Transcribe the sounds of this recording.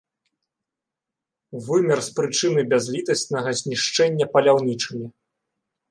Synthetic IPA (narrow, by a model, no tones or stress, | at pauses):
vɨmʲɐrspɾɨt͡ʂɨnɨbʲazʲlʲit̪ɐsʲnɐɣɐzʲnʲiʂt͡ʂɛnʲːɐpɐlʲawnʲit͡ʂɨmʲi